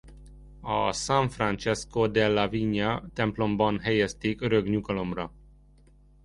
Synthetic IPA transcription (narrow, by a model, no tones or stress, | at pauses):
ɒ̰saɱfrant͡ʃɛskod̪ɛlːɑviɲɒt̪ɛmplo̞mbɒnɦɛjɛst̪eːkøɾøɡɲukɒlo̞mrɒ